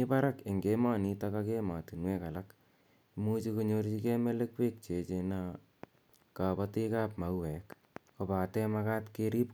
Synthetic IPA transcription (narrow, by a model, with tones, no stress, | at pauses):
ipa˦ɾake˨ŋɡema˦ni˦takake˦ma˨ti˨nwe˦ka˨lak | mu˦t͡ʃi˦koɲort͡ʃi˦ke˦me˦le˦kpe˦k̚t͡ʃe˨t͡ʃena˦ | ka˨pati˦kaː˦p̚ma˨˦wwɛ˨k | ko˨pa˨tɛ˦maka˦tkeɾi˦p